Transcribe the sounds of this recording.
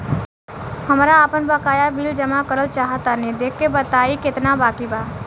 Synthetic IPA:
hɐmɾaːpənbakaːjabild͡ʒəmakəɾəl̚t͡ʃaːɦət̪anẽd̪eːkʰːebət̪aːikɪt̪nabaːkibaː

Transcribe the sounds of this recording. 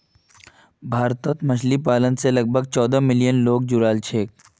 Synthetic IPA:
bʱaːɾt̪ət̪mɐt͡ʃʰlipaːlənselɐɡ̚bʱəɡt͡ʃɔːd̪amɪlijənloːɡ̚d͡ʒʊɾaːlt͡ʃʰeːk̚

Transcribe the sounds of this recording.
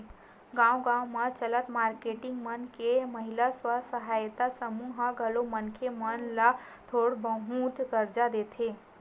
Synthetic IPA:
ɡãːwɡãːmãt͡ʃələt̪maːɾkeʈɪŋɡmənkeməɦilaswasəɦaːjt̪asəmuːɦaɡəlomənkʰemənla | t̪ʰoːɽbəɦũt̪ɡəɾd͡ʒad̪et̪ʰeː

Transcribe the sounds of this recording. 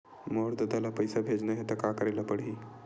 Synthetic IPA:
moɽd̪əd̪alapəjsabʱed͡znəɦet̪akakəɾalapəɽɦi

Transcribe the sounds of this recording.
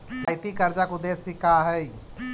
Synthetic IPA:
sjt̪ikəɾd͡ʒakud̪esːikaɦəj

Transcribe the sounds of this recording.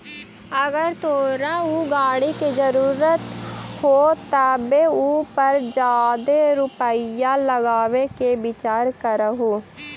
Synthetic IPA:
əɡəɾt̪ʰoːɾãːuɡaːɽiːked͡ʒəɾuːɾət̪hoːt̪abeːupəɾd͡ʒaːd̪eːɾʊpəijaːləɡaːʋeːkeːbɪt͡ʃaːɾkəɾəɦoː

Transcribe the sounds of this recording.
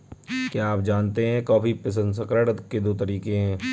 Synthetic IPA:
kjaːpd͡ʒaːnt̪eɦɛ̃kɔːpipɪs̬ə̃nd̪s̬əkɾəɽəd̪kːed̪oːt̪ɐɾiːkeɦɛ̃ː

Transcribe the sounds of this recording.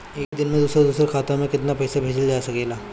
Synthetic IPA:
eːkd̪ɪnmẽd̪uːsɾad̪uːsɾekʰaːt̪ãmẽkɪt̪napɛːsabʱeːd͡ʒəld͡ʒaːsɐkeːlaː

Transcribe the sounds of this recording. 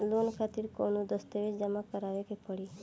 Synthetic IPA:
lonkʰat̪iɾkonud̪əst̪eʋed͡ʒəmakəɾaʋekepəɽi

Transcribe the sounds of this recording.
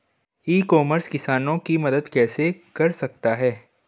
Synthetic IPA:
iːkɔːməɾskɪsaːnõkimɐd̪əd̪kɛːsekɐɾsɐk̚t̪aɦɛː

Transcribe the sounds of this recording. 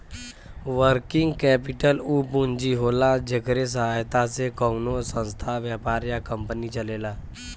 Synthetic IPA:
ʋəɾkɪŋɡkɛːpɪʈəluːpund͡ʒiɦoːlad͡ʒekɾes̬əɦajt̪asekəunosə̃nst̪ʰaʋjapaːɾjakəmpənit͡ʃəleːlaː

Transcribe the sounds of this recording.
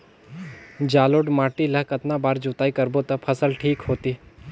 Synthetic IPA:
d͡ʒaːloːɖmaːʈiləɦkɐt̪nabaːɾd͡ʒuːt̪aːikɐɾbot̪ɐpʰəsəlʈʰiːkɦoːt̪iː

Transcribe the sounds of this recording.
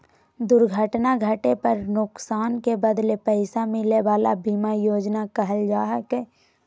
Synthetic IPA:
d̪ʊɾɡʱəʈnaɡʱəʈepɐɾnʊksaːnkebəd̪lepɛɪsamɪleʋaːlabiːmajoːd͡ʒnakɐɦəld͡ʒaːɦəkeː

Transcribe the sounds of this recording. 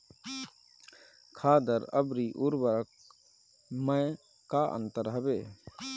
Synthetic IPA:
kʰaːd̪əɾə̰bɾiʔuɾbəɾək̚ | məj | kaʔə̰nt̪əɾɦəbeː

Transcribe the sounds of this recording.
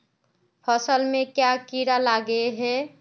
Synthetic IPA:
pʰəsəlmẽkjakiɾalaɡeɦɛ

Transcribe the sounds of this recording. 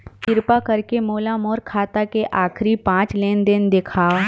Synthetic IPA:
k̪ɪɾpakɐɾkemoːlamɔːɾkʰaːt̪akeʔaːkʰɾipãːt͡ʃleːnd̪ɪnd̪eːkʰaː

